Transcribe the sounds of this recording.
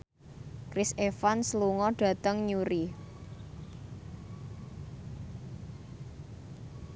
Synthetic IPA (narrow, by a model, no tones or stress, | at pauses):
kɾisefansluŋɔɖ̥ä̤t̪əŋɲuɾi